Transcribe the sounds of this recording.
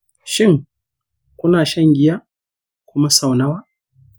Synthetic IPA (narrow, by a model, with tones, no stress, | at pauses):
ʃɪ˦ŋ | kʷʊ˦naː˨ʃɐ˦˨ŋɡʲɪ˦ja˦ | kʷʊ˦ma˦sa˨wna˦waː˦